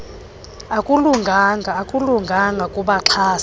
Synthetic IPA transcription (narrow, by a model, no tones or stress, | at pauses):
akʼuluŋɡʱaŋɡʱaːkʼuluŋɡʱaŋɡʱakʼuɓaǁʰaːs